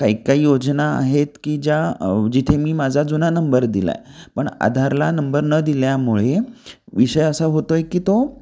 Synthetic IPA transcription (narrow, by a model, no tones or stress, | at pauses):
kaikaɦiːjod͡znaa̰ɦet̪kiːd͡ʑjad͡ʑit̪ʰemiːmad͡zʱad͡zunanəmbəɾd̪ila̰jpəɳa̰d̪ʱaɾlanəmbəɾnəd̪iljamuɭeʋiɕəjəsaɦot̪ojekiːt̪o